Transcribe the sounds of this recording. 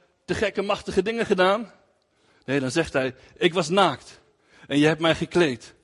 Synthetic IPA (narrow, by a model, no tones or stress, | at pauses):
təχɛkəmɑχtəχədɪŋəχədaːn | nejdɑnzɛχtɦɛj | ɪkʋɑs̬naːkt | ʔɛnjəɦɛp̚tmɛjχəklejt